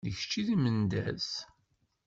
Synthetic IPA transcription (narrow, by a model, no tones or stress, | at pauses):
ðəçt͡ʃːiðimənd̪æz